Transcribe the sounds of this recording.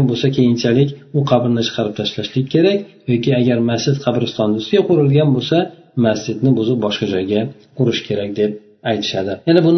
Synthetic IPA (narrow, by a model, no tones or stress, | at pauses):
nbolˠsakʲʰejɪnt͡ʃʰalɪkʲʊqʰɑbɾnɪt͡ʃʰɨ̥qʰɑɾɪp̚t̪ʰaʃlaʃlɪɡʲkʰʲe̞ɾakʲjɒkʲɪaɡʲaɾmast͡ʃɪd̪qʰɑbɾɪst̪ʰɒnd̪ʊsɪɡʲaqʊɾɪlɡʲanbolˠsa | masd͡ʒɪd̪nɪbʊzɪp̚bɒʃqɑd͡ʒɒjɡʲa | qʰʊɾɪʃkʰʲe̞ɾak̚ʲd̪e̞p̚ | ajt̪ʰɪ̥ʃad̪ɪjanabʊn